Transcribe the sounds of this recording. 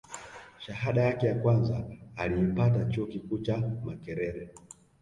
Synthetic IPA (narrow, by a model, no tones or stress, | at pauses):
ʃahaɗajakɛjakwanzaːliipatat͡ʃuɔkikuːt͡ʃamakɛɾɛɾɛ